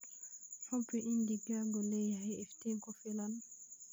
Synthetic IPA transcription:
fapɛʔindiɡaɡɔlɛjɛɛfteŋkɔfɛlan

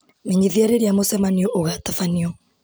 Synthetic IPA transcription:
meɲiðiaɾeɾiamosɛmaniɔʔoɣatafaniɔ

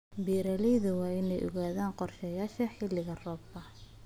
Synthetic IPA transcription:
biːɾɐlɛjðʊwɑːɪnɛjʔɔ̰ɣaːðaːnqɔrʃɛjaːʃɐħɪlɪɣɐrɔːb̚kɐ

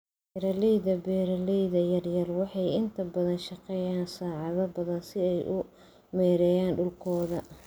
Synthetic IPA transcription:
bɛɾɐlijðɐbɛːɾɐlijðɐjɐrjɐrwɑħɑjɪnt̪ʰɐbɐðɐnʃɑqɛːjaːnsɑːʕɑðɐbɐðɐnsɪɛjʔʊ | mɛːɾɛjaːnɖʊlkʰɔːðɐ

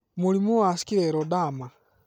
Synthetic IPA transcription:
moɾimowasi̥kiɾɛɾɔdama

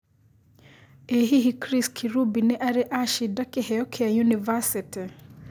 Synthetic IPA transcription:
eɦiɦikɾiskʰiɾubinɛʔaɾɛʔaʃidakihɛɔkʰɛajunivasiti

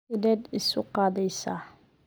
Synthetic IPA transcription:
ɪdɛd̪ɪsʊqɑːðɛjsaː

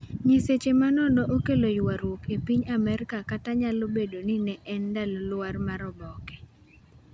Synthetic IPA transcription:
ɲeset͡ʃemanɔndɔʔokelojwaɾwokepiɲamɛɾkakataɲalobedoninɛʔɛndalɔlwarmaɾɔbɔkɛ̥

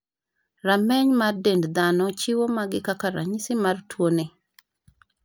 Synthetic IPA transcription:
ramɛɲmardendd̪anɔt͡ʃɪwomaɡɪkakaɾa̰ɲɪsɪmartwone

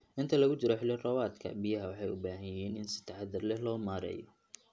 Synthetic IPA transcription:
ʔɪnt̪ʰɐlɐɣʊt͡ʃɪɾɔħɪlɪrɔwaːd̪kʰɐ̰bijɐɦɐwɑħɑjʊbaːɦɐjɛːnɪnsɪ̥t̪ʰɐħɑd̪ɐrlɛhlɔːmaːɾɛ̰ːjɔ

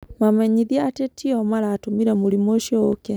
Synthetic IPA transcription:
mamɛɲiðiaatetʰiɔmaɾaːtomiɾɛmoɾimoʃjɔːkɛ

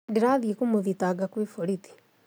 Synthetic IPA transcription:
deɾaðiekumoðitaɡakwefoɾit̪i̥

